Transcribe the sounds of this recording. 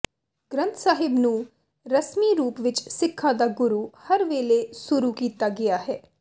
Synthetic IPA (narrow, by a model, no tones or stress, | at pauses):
ɡ̥ɾə̃nt̪saːɦɪbnũː | ɾəsmiːɾuːpʋɪt͡ʃsɪkʰːãːd̪aːɡʊɾuːhəɾʋeːlesʊɾukiːt̪aːɡɪjaːɦɛː